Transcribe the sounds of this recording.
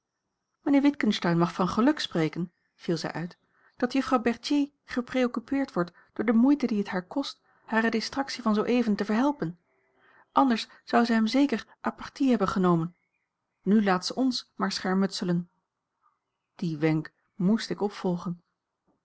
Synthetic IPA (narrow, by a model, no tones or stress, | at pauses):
mənɪːɹʋɪtkənstœɥnmɑχfɑnχəlɵksprejkən | v̥ilˠzɛ̰jʔœɥt | d̥ɑtjɵfrɑwbɛɹtjej | χəprejokypɪːɹtʋɔɹt | d̥ʊːɹdəmujtədiɦətɦaːɹkɔst | haːrədɪstrɑksivɑnzowʔejvəntəvəɹɦɛlˠpən | ʔɑndəɹs | z̥ʌwzɛjɦɛmzejkəɹʔaːpɑɹtiɦɛbənχənowmən | nylaːtsəʔɔnsmaːɹsχɛɹmɵtsələn | d̥iʋɛŋk | mustɪkɔpfɔlˠχən